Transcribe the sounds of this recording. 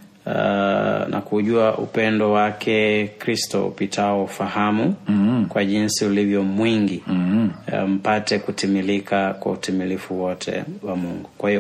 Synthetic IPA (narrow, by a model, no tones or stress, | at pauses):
nʔa̰kuʄuaʔṵpɛndɔwakʰɛkɾistɔ̰ṵpitʰaɔfahamukwaʄinsiulivjɔmwiŋɡi | m̩patɛkutimilikakwa̰utimilifuwɔtʰɛ̰wamuŋɡukwahiɔ